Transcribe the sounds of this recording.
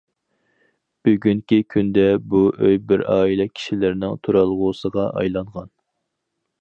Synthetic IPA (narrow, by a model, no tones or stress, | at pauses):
b̥yɡʲyŋkʲikʲʰynd̪ɛbuʔøjbɪɾɑːilɛkʲʰi̥ʃilɪɾnɪŋt̪ʰuɾɑlˠʁʊːsəʁɑʔɑ̰jlˠɑɴʁɑn